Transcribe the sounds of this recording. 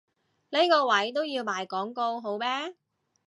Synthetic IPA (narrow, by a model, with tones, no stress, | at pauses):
le˥jkɔː˧wɐ˨˥jt̪o˥wjiː˧wmaː˨˩jkɔː˨˥ŋko˧wɦo˨˥wmɛː˥